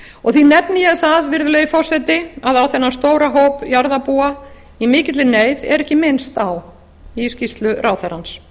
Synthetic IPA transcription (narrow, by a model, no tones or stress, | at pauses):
ɔɣθinɛpnɪjɛɣθaðvɪɾðʏlœɣifɔr̥sɛt̪ɪaðawθɛnːast̪oːwɾaɦowpjaɾðapuːa | imɪːcɪt̪lɪneːjðɛ̰ɾɛhcɪmɪnst̪aw | iscist̪lʏrʔaːwθɛɾans